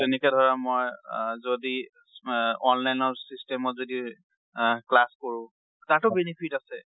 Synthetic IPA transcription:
tenɛkɛdʱɔɹamojzodi | ɔnlajnɔɹsistɛmɔtzodi | klaskoɹʊ̃ | tatʊbenipʰitasɛ

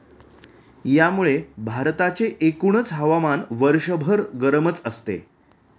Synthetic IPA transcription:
jamuɭebʱaɾt̪at͡seʔekuɳət͡sɦəʋamanʋəɾʂəbʱəɾɡəɾmət͡səst̪ḛ

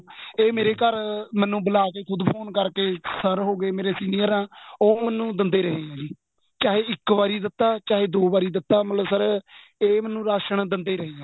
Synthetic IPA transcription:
eːmeːɾeːkəɾmɛːnːũːbəlaːk̬eːkʰʊd̪pʰoːnkəɾkeːsəɾɦoːɡeːmeːɾeːsiːnijəɾãːoːmɛnːũːd̪ənd̪eːɾəɦẽːãːd͡ʒiː | t͡ʃaːɦeːɪkbaːɾiːd̪ɪt̪ːaːt͡ʃaːɦeːd̪oːbaːɾiːd̪ɪt̪ːaːmət̪ləbsəɾ | eːmɛnːũːɾaːʃəɳd̪ɪnd̪eːɾəɦeːãː

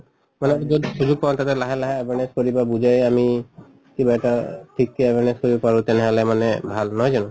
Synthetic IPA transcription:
manɛd͡ʒɔd̪isud͡ʒuɡ̚pãnt̪at̪ɛlaɦalaɦaebʱenenskoɹibabud͡ʒajami | kibaʈaʈʰikːeːbʱeneskoɹibɔpaɹũt̪ɛnɛɦɔlɛmanebʱalnɔɦjd͡ʒanũ

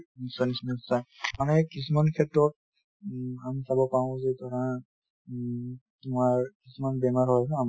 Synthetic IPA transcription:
nisɔnisnɔsajmanɛkis̬umankʰɛtɹɔt̚ | amisabɔpaʊ̃zɛtaɹã | tumaɹkisumanbɛmaɹɦɔjsɔ̃am

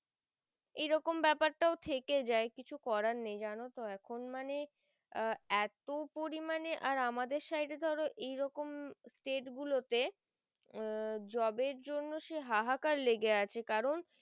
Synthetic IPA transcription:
ejɾɔkombɛpaɾʈaot̪ʰeked͡ʑaekit͡ɕʰukɔɾanːejd͡ʑanot̪oɛkʰonmane | ɛt̪opoɾimaneʔaɾamad̪eɾʃajʈed̪ʱɔɾoʔejɾɔkomsʈeʈɡulot̪e | d͡ʑɔbeɾd͡ʑonːoʃeɦaɦakaɾleɡeat͡ɕʰekaɾon

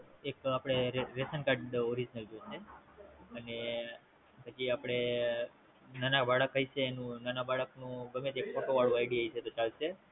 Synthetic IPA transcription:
ekapɽ̃eɾesənkaɾɖoɾid͡ʒnəld͡ʒot͡ʃʰe | əne | pət͡ʃiapɽ̃e | nanabaɭəkɦəjt͡ʃʰeːnũnanabaɭəknũbəmet̪ekfoʈoʋaɭuajɽiɦəjt͡ʃʰet̪ot͡ʃaɭʃe

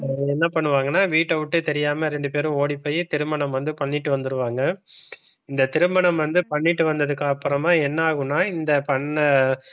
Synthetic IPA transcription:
ɛnːɐpɐɳːɯʋaːŋɡɐnːaːʋiːʈːɐʋɯʈːɯt̪ɛɾɪjaːmɐɾɛɳɖɯpeːɾʊ̃oːɽipːɐːjet̪ɪɾɯmbɐɳɐmʋɐnd̪ɯpɐɳːɪʈːɯʋɐnd̪ɯɾɯʋaːŋɡɐ | ɪnd̪ɐt̪ɪɾɯmbɐɳɐmʋɐnd̪ɯpɐɳːɪʈːɯʋɐnd̪ɐðɯkːaːɐpːɯɾɐmaːɛnːɐaːɣɯnːaːɪnd̪ɐpɐɳ

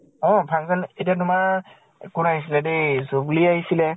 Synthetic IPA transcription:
ɔ̃pʰaŋzanetiatʊma | kʊnaɦis̬ilɛdejzobliaɦisilɛ

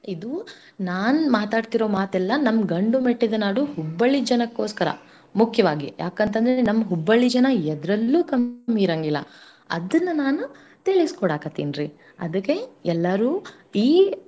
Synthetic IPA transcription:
id̪u | naːnumaːt̪aːɖt̪iɾo̞ːmaːt̪ɛlːɐnɐmɡɐɳɖumeʈːid̪ɐnaːɽuɦubːɐɭid͡ʒɐnɐkːo̞ːskɐɾɐ̰ | mukʰjɐʋaːɡijʔa̰ːkɐnt̪ɐnd̪ɾenɐmːɐɦubːɐɭid͡ʒɐnɐɛd̪ɾɐlːuːkɐmmiːɾɐŋɡilːɐ̰ | ɐ̰d̪ɐnːunaːnu | t̪iɭiskɔɽaːkɐt̪ːḭːnɾiː | ɐd̪ɐkːeɛlːɐɾuː | iː

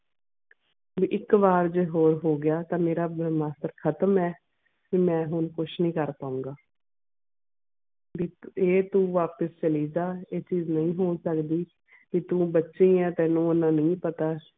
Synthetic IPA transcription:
biːʔɪkʋaːɾd͡ʒeːɦoːɾɦoːɡɪjaːt̪ãːmeːɾaːbmaːst̪əɾkʰət̪əmɛː | kiːmɛ̃ːɦʊnkʊʃʰnĩːkəɾpaːũːŋɡaː | biːeːt̪ũːʋaːpəst͡ʃəliːd͡ʒaːeːt͡ʃiːznəĩːɦoːnsəkd̪iː | ʋiːt̪ũːbətːʃĩːɛ̃ːt̪ɛːnũːonãːnəĩːpət̪aː

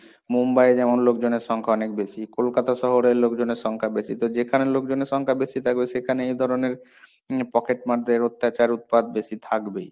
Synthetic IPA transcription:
mumbajd͡ʑɛmonlokd͡ʑoneɾʃɔŋkʰaɔnek̚beʃikolkat̪aʃɔɦoɾeɾlokd͡ʑoneɾʃɔŋkʰabeʃit̪od͡ʑekʰanelokd͡ʑoneɾʃɔŋkʰabeʃit̪ʰak̚beʃekʰaneejd̪ʱɔɾoneɾ | pɔkeʈmaɾd̪ʱeɾot̪ːat͡ɕaɾut̪̚pad̪̚beʃit̪ʰakbe

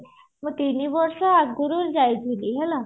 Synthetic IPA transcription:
məɡ̚t̪iniʋəɾʂaaɡuɾuld͡ʑajd͡ziliɦɛla

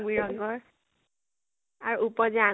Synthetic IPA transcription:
biɹɔŋɡɔɹ | aɹuupɔzaa

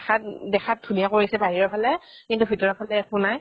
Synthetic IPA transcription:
kʰat̚dɛxʰat̚dʱunijakoɹisɛbaɹiɹɔpʰalɛ | kintubʱitɔɹɔpʰalɛkʊnaj

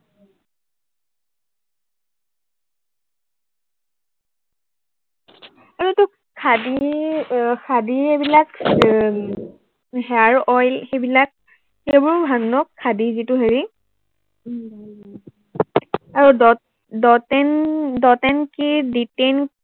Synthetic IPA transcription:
aɹutʊ | kʰadi | kʰadiebilak | ɦɛaɹɔjlxejbilak̚ | xejbɔɹbʱanːɔkʰːadizitʊɦeɹi | aɹudɔ | dɔtɛndɔtɛnkiditen

